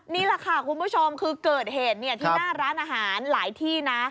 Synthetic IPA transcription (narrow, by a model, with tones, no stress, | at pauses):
niː˥˩lɛ˨˩kʰa˥˩kʰu˧nbu˦˥˩t͡ɕʰo˧mkʰɯː˧kɤː˨˩t̪̚heː˨˩t̪̚ni˥˩ɐt̪ʰiː˥˧˩naː˥˩ɾaː˦˥nʔaː˧ɦaː˩˦nlaː˩˦jt̪ʰiː˥˩na˦˥